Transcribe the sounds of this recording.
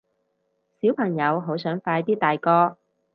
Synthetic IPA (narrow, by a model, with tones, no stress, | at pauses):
siː˨˥wpʰɐ˨˩ŋjɐ˨˧wɦo˨˥wsœː˨˥ŋfaː˧jt̪iː˥t̪aː˨jkɔː˧